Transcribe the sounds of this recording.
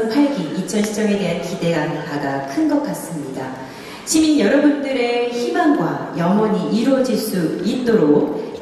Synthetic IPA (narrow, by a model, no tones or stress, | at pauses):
pʰaɭɡiit͡ɕʰʌnɕʰi̥t͡ɕ͈ʌme̞de̞ɦankide̞ɡanpaɡakʰɯnɡʌk͈as͈ɯmɲida | t͡ɕiminjʌɾʌbundɯɾe̞çimanɡwa̰jʌŋʌɲiʔiɾwʌd͡ʑiɭs͈uit̚t͈oɾok̚